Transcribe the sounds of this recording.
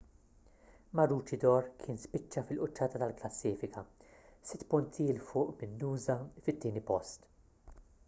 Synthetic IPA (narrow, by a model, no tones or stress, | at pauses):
mɐɾuːt͡ʃɪd̪ɔɾkʰɪːnspɪt͡ʃːɐfɪlʔʊt͡ʃːɐːt̪ɐt̪ɐlklɐsːiːfɪkʰɐsɪt̪ːpʊnt̪ʰilfʊːʔbɪnːuːzɐfɪt̪ːiːnipɔst̪